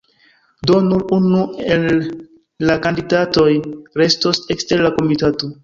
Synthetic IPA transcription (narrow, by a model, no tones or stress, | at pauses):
do̞nuɾunuelː | akandidato̞jɾe̞sto̞seksteɾlako̞mitato